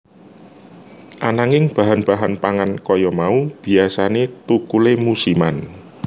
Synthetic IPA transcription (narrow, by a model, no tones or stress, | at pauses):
ʔanaŋɪŋb̥a̤ɦanb̥a̤ɦanpaŋankɔjɔmaub̥i̤asanet̪ukulemusiman